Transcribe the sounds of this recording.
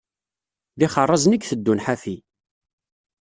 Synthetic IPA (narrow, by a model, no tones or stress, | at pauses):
ðɪχərˤːɑznəkθəd̪ːunħafi